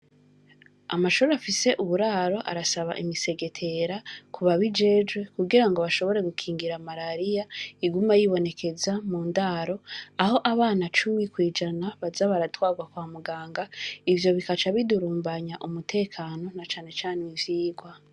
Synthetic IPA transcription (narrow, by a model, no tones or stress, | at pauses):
a̰maʃuɾeafise̞ʔuβuɾaːɾo̞ʔa̰ɾasaβa̰ʔimise̞ɡe̞tʰe̞ɾakʰuβaβid͡ʒe̞d͡ʒɡwe̞kuɡiɾaŋɡo̞βaʃo̞βo̞ɾe̞ɡukʰiːŋɡiɾamaɾaɾijaiɡumajiβo̞ne̞kʰe̞zamuːndaɾo̞aho̞ʔaβaːnat͡ʃumikwiːd͡ʒanaβazaβaɾatwaːɡwakwaːmuɡaːŋɡaivjo̞βikat͡ʃaβiduɾuːmbaɲaʔumutʰe̞ːkʰaːno̞nat͡ʃaːne̞t͡ʃaːneiviːɡwa